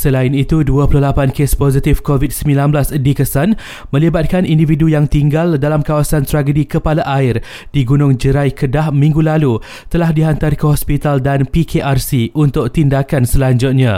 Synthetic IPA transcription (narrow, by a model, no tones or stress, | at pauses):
səlaɪnit̪uduapulʊhlapankespozit̪ɪfkovit̪̚səmĩlanblasdikəsan | mə̃libat̪̚kanindividujaŋt̪iŋɡaldalamkawasant̪ɾaɡədikəpalaʔaɪr | diɡunʊ̃ŋd͡ʒəɾajkʰədahmĩŋɡulalu | t̪əlahdiɦant̪aɾkəɦɔspit̪aldanpikʰeʔarsiunt̪ʊk̚t̪indakansəlaɲd͡ʒʊt̪̚ɲã